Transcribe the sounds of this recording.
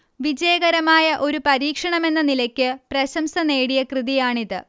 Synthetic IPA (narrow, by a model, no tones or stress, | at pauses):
ʋid͡ʑɐjɐɣɐɾɐmaːjɐʔo̞ɾupɐɾiːkʂɐɳɐme̞nːɐnilɐkʲːɨprɐɕɐmsɐne̞ːɽijɐkrɨðijaːɳiðɨ